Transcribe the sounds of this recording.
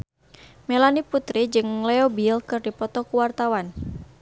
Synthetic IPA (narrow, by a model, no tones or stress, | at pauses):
mɛlaniput̪ɾid͡ʒɨŋlɛobilkɨrdipɔt̪ɔkuwart̪awan